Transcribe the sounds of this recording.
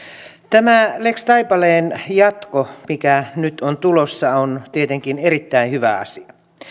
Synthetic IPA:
t̪æmælekst̪ɑjpɑleːnjɑt̪komikænyt̪ont̪ulosːɑont̪iet̪eŋkineɾit̪ːæinhyʋæ̰ɑ̰siɑ

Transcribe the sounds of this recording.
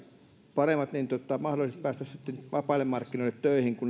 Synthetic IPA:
pɑremːɑt̪nint̪ot̪ɑmɑhɾolisest̪̚pæːst̪æst̪ːenʋɑpɑˑilːemmɑrkːinoˑilːˑet̪t̪øˑihiŋkun

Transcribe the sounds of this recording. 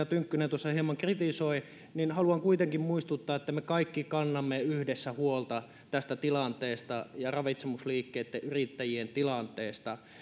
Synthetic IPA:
ɑt̪yŋkːynent̪uosːɑhiemɑŋkrit̪isoi | ninhɑluɑŋkuit̪eŋkimmuist̪ut̪ːɑːet̪ːæmekɑikːikɑnːɑmːeyhdesːæhuolt̪ɑ | t̪æst̪æt̪ilɑnt̪eːst̪ɑjɑrɑʋit̪semusliːkːeːt̪ːeʔyrit̪ːæjient̪ilɑnt̪ˑeːst̪ɑ

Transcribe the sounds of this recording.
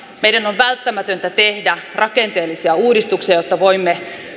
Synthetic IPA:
mejdænoʋʋælt̪ːæmæt̪ønt̪æt̪ehdærɑkent̪eːlːisiæuːdist̪uksiɑjot̪ːɑʋoimːe

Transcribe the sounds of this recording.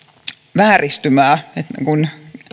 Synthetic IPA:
ʋæːrist̪ymæːet̪kun

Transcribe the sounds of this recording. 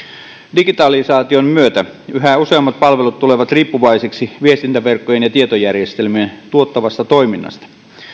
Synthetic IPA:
diɡit̪ɑlisɑːt̪iommyøt̪æyɦæuseɑmːɑt̪̚pɑlʋelut̪t̪uleʋɑt̪riːpːuʋɑiseksiʋiest̪int̪æʋerkːojenjɑt̪iet̪ojærjest̪elmient̪uot̪ːɑʋɑst̪ɑt̪oiminːɑ̰st̪ɑ̥

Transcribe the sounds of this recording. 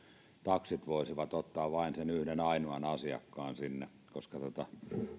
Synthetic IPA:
t̪ɑksit̪ʋoˑisiʋɑt̪ot̪ːɑːʋʋɑinsenyhdenɑinuɑnɑsiɑ̰kːɑːnsinːe | koskɑt̪ot̪ɑ

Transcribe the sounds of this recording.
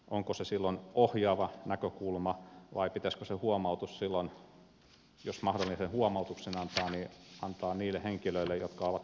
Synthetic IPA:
ʔoŋkosesilːonohjɑːʋɑnækøkulmɑʋɑ̰ipit̪æskøsehuomɑut̪ussilːon | josmɑhdolːinsenhuomɑut̪uksenɑnt̪ɑːniʔɑnt̪ɑːniːlːˑeheŋkiløilːejjot̪kɑoʋɑt̪

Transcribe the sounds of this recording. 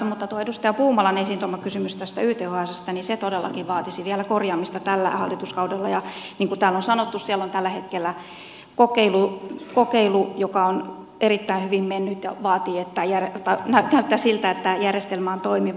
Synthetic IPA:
mut̪ːɑt̪uoedust̪ɑjɑpuːmɑlɑnesint̪omːɑkysymyst̪æst̪æyht̪euhoæˑsest̪ɑniset̪odelːɑ̰kiʋʋɑːt̪isiʋiælækorjɑːmːist̪ɑt̪ælːæ̰hɑ̰lːit̪uskɑudelːɑjɑniːŋkut̪æːlonsɑnot̪ːussiælːont̪ælːæhet̪kelːæ | kokeilukokeilujokɑon | erit̪ːæinhyʋimmenːyt̪jɑ̰ʋɑːt̪iːet̪ːæjærot̪ːɑnænæyt̪ːæsilt̪æet̪ːæjærjest̪elmɑːnt̪oimi

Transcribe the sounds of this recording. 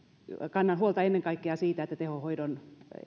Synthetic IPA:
kɑnːɑnhuolt̪ɑenːeŋkɑikːeɑsiːt̪æet̪ːæt̪ehohoidon

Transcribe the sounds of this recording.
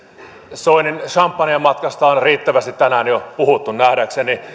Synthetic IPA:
soininʃɑmpːɑniɑmɑt̪kɑst̪ɑonriːt̪ːæʋæst̪it̪t̪ænæːnjopuhut̪ːunnæhɾækseni

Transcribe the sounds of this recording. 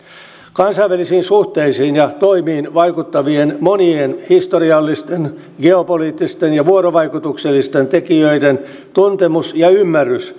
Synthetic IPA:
kɑnsɑiʋælisiːnsuht̪eisiːnjɑt̪oimiːnʋɑjkut̪ːɑʋienmo̞nienhist̪oriɑlːist̪en | ɡe̞opoliːt̪ːist̪enjɑʋuoɾoʋɑjkut̪ukselːist̪ent̪ekiøiden | t̪unt̪emusjɑymːærːys

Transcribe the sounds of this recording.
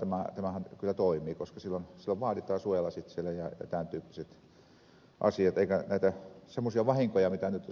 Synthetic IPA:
t̪æmæt̪æmæhænkylːæt̪oimiːkoskɑsilːonsilːoʋʋɑːt̪it̪ˑɑːsuojelːɑsit̪sielːæjɑjɑ̰t̪ænt̪yːpːiset̪ | ʔɑ̰siɑt̪eikænæˑit̪æsemːosiɑʋɑhiŋkojɑmit̪ænyt̪

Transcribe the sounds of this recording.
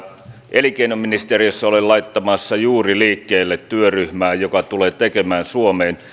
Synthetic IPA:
ʔelikeinomːinist̪eriøsːæolellɑit̪ːɑmɑsːɑjuːriliːkːeːlːet̪t̪yøryhmæːjokɑt̪uleːt̪ekemæːnsuomeːn

